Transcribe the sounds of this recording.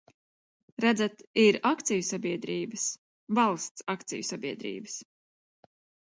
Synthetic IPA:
ɾæd̪zat̪iɾakt̪sijusabʲiɛd̪ɾiːbɨs | valˠst̪sakt̪sḭjusabʲiɛd̪ɾḭːbɨs

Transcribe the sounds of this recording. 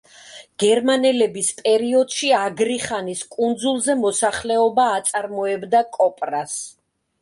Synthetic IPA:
ɡ̥ɛɾmanɛlɛbispʼɛɾiɔd̪̥ʃiaɡɾiχaniskʼund̪zulˠzɛmɔsaχlɛɔbaːt̪sʼaɾmɔɛbd̪akʼɔpʼɾas

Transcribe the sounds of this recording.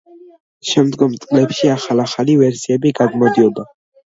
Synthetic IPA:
ʃɛmd̪ɡɔmt̪sʼlɛpʃiaχalaχalivɛɾsiɛbiɡaɡmɔd̪iɔba

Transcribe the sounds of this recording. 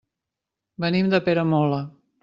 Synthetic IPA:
bənimd̪əpeɾəmɔlə

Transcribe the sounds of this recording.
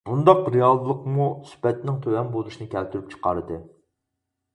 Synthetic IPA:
b̥und̪ɑqɾijɑlˠlˠəqmusy̥pɛt̪nɪŋt̪ʰøwɛnbolˠuʃinɨkʲʰɛlt̪ʰyɾyp̚t͡ʃʰə̥qɑɾɨd̪ɨ

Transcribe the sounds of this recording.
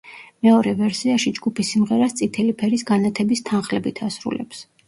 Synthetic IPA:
mɛɔɾɛvɛɾsiaʃid͡ʒɡupʰisːimʁɛɾast̪sʼit̪ʰɛlipʰɛɾisɡanat̪ʰɛbist̪ʰanχlɛbit̪ʰasɾṵlɛ̰ps

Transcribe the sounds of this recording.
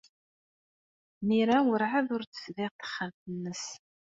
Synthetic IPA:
miɾawəɾʕaðʊɾt͡sə̥sðɪʁθə̥χːəmt̪ənːəs

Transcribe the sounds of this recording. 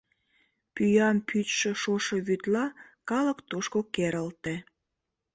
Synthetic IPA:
pyjɑmpʰyt̪ʃĕʃoʃəβyt̪lɑkɑləkt̪oʃkokeɾəlt̪e

